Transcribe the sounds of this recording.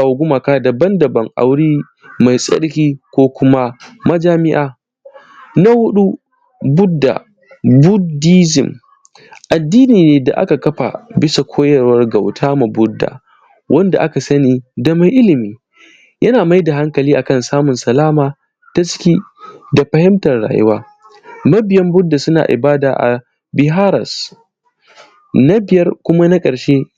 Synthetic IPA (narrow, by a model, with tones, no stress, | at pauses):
a˨wa˨ɡʷʊ˦ma˨kaː˦dɐ˨bɐ˦ndɐ˨bɐ˨ŋʔa̰˨wɽiː˦ | ma˨jsʼɐ̰˦ɽkʲiː˦kʷoː˦kʷʊ˦ma˦mɐ˦d͡ʒaː˦mɪ˦ʔaː˨ | na˦wʊ˦ɗu˦ | bʊ˦dːa̰˨ | bʊ˦diː˦zɪ̰˨m | ʔa˨dːiː˦niː˨neː˨da̰˨ʔa̰˦ka˨kɐ˦ɸa̰˨bɪ˦sa˨kʷʰoː˦jɐ˨ɾwɐ˦rɡa˨wtʰaː˦ma˨bʊ˦dːa̰ː˨ | wʔɐ˦nda̰˨ʔa˦ka˨sɐ˦niː˦dɐ˦ma˦ŋʔɪ˦lɪ˨miː˦ | jʔɐ˦naː˨ma˦jda˨ɦa˦ŋkɐ˨liː˦ʔa˨kɐ˦˨nsaː˦mʊ˨nsɐ˨laː˦maː˨ | ta˦t͡ʃɪ̥˦kʲiː˦ | da˨ɸɐ˨hɪ˦mtɐ˨rɽa̰ː˨jɪ̰˦waː˦ | mɐ˦bɪ˨jɐ˦mbʊ˦dːa˨sʊ˦na̰ː˨ʔɪ̰˨baː˦da̰ː˨ʔa̰˨ | bɪ˦ɦaː˦ɾɐ̰˨s | na˦bɪ˨jɐ˦rkʷʊ˦ma˦na˦kʼɐ˨ɾʃeː˦